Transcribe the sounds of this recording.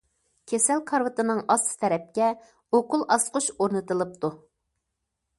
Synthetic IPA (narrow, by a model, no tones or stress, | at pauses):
kʲʰesælkʰɑɾvɨt̪ɨnɨŋɑsɨ̥t̪ʰɛɾɛp̚kʲɛ | oqʊlˠʔɑsqʊʃoɾnɨt̪ɨlˠɨp̚t̪u